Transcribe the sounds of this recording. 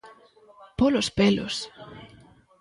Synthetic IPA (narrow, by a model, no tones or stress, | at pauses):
polospelo̰s